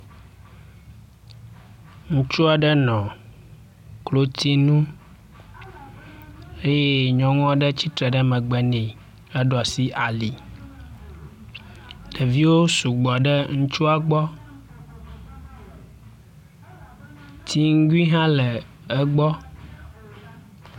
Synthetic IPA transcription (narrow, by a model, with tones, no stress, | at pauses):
ŋũ˦t͡ʃu˦a˨ɖə˦nɔ̃˨ | klo˦t̪i˦nũ˦ | e˦je˦ɲɔ̃˨ŋɔ̃˦ɖə˦t͡ɕi˦t̪ɾɛ˨ɖə˦mɛ̃˨ɡ͡bɛ˨nĩ˨ | ɛ˦ɖɔ˨si˦ʔa˨li˨ | ɖ̥ə˨vi˦wo˦su˨ɡ͡bɔ˨ɖə˦ŋũ˦t͡ʃu˦a˨ɡ͡bɔ˦ | t̪ʰi˦ŋ̩˦ɡi˦ɦã˦lə˨ | ə˦ɡ͡bɔ˦